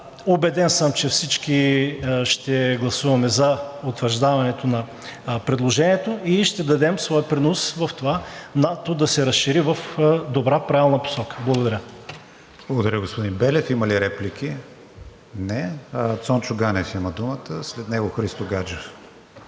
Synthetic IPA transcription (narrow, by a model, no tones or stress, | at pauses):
obɛd̪ɛnsəmt͡ʃɛfsit͡ʃkiʃt̪ɛɡlˠɐsuvɐmɛzɐot̪vəɾʒd̪avɐnɛt̪onɐ | pɾɛd̪lˠoʒɛnʲiɛt̪oiʃt̪ɛd̪ɐd̪ɛmsvɔjəpɾinosvɐft̪ovanat̪od̪ɐsɛɾɐsʃiɾivɐfd̪obɾapɾavɛlˠnɐpo̥sɔkə̥blˠɐɡod̪ɐɾʲə | b̥lˠɡod̪ɐɾʲəɡospod̪ĩnbɛlɛfiməliɾɛplikʲʰi | nɛt̪sɔnt͡ʃʊɡanɛfiməd̪umət̪əslɛt̪nɛɡoxɾist̪oɡad͡ʒof